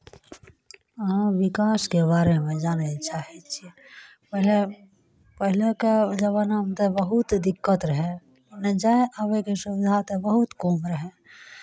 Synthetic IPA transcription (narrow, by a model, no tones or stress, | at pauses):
ãʋɪkaːskebaːɾemẽd͡ʒaːnet͡ʃaːɦet͡ʃʰi | pəɦle | pəɦɪleked͡ʒəʋaːnamt̪ebəɦʊt̪d̪ɪkːət̪ɾəɦẽ | nẽd͡ʒaẽʔaʋekesʊʋɪd̪ʱat̪ebəɦʊt̪koːmɾəɦẽ